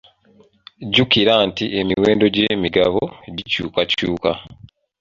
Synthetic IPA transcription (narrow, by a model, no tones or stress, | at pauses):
ɟukiɾantiʔe̞miwe̞ːndo̞ɟeːmiɡaβoeɟicṵːkacuːka̰